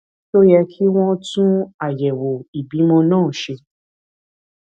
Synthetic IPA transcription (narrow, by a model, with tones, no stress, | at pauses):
to˦jɛ˧kʰi˦w̃ɔ̃˦tũ˦a˦˨jɛ˨wo˨i˨bi˨˦mɔ̃˧nãː˦˨ʃe˧